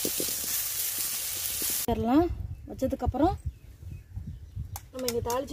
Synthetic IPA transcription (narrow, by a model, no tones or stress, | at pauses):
ɛɾɐlãːʋɐt͡ʃːɐðɯkːɐpːɾõ | nɐmːɐɪŋɡɐt̪aːɭt͡ʃ